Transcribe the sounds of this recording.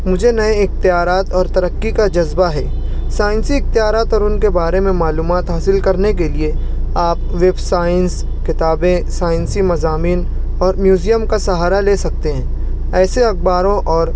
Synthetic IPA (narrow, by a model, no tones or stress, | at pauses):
mʊd͡ʒʱenɐẽɪxt̪ijaːɾaːt̪ɔːɾt̪ɐɾəkːikad͡ʒɐzbaɦɛː | saːɪ̃nsiɪxt̪ɪjaːɾaːt̪ɔːɾʊnkebaːɾemẽmaːluːmaːt̪ɦaːsɪlkɐɾnekelie | aːp | ʋebsaːəns | kɪt̪aːbẽsaːɪ̃nsimɐzaːmiːn | ɔːɾmjuːzijəmkasɐɦaːɾaleːsɐk̚t̪eɦɛ̃ː | ɛːseɐɡ̚baːɾõʔɔːɾ